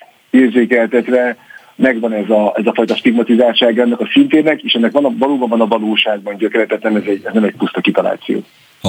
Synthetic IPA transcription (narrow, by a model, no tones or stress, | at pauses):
eːrzeːkɛlt̪ɛt̪ʋɛ | mɛɡʋɒnɛzɒɛzɒfɒjt̪ɒʃt̪iɡmɒt̪izaːlt͡ʃaːɡɒɛnːɒkɒsint̪eːnɛkeːʃɛnːɛkʋɒnɒvɒloːbɒɱvɒnɒvɒloːʃaːɡ̚bɒnɟøkɛɾɛt̪ɛt̪nɛmɛzɛɟɛznɛmɛc̚pust̪ɒkit̪ɒla̰ːt̪sijo̰ː